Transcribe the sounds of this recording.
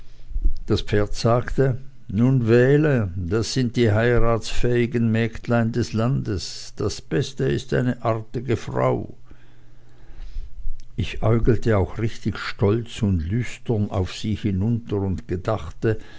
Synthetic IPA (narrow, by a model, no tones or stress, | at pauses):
d̥aspp͡feːɐtz̥aːktə | nuːnvɛːləd̥asz̥ɪnt̚d̥iːɦaɪʁaːtsfɛːɪɡənmɛːktlaɪndɛslandəsd̥asb̥ɛstəɪstʔa̰ɪnəʔaʁtɪɡəfʁa̰ʊ | ʔɪçʔaʏɡl̩təaʊxʁɪçtɪçʃtɔlt͡sʊntlʏstəna̰ʊfsiːhɪnʊntəʁʊntɡ̥ədaχtə